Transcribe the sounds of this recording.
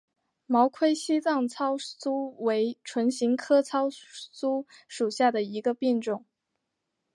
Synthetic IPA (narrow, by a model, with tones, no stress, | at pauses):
mɑ˧˥ʊkʰwe˥ɪɕi˥t͡sɑ˥˩ŋt͡sʰɑ˥ʊt͡su˥we˧˥ɪʈ͡ʂʰwə˧˥nɕi˧˥ŋkʰɤ˥t͡sʰɑ˥ʊt͡su˥ʂu˨˩ɕja˥˩d̪ə˩i˧˥ɡə˧pi˥˧nʈ͡ʂʊ˥˩ŋ